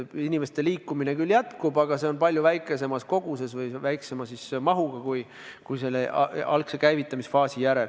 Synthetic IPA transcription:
inʲime̞st̪e̞liːkːˑumine̞kylːjæt̪kubɑɡ̥ɑse̞o̞npɑlʲjuvæjkːˑe̞se̞mɑsko̞ɡ̥use̞svɤjvæjkse̞mɑsismɑɦuɡ̥ɑkuj | kujselːeʔɑ̰lksekæjvit̪ːˑɑmisfɑːsijæɾe̞l

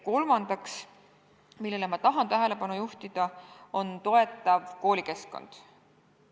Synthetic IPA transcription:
ko̞lmɑnd̪̥ɑks | milːe̞lemɑt̪ɑɦɑnt̪æɦe̞le̞pɑnujuht̪id̪̥ɑo̞nt̪o̞e̞t̪ːˑɑvko̞ːlʲike̞sko̞̰nd̪̥

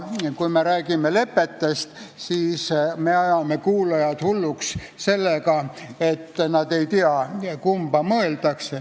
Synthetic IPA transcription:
kujmeɾæːɡ̥imele̞pːe̞t̪ːest̪siːsmeɑjɑmekuːlejɑd̪̥hulːuks | se̞lːekɑet̪ːnɑd̪e̞jt̪iɑkumb̥ɑmɤeld̪̥ɑkse

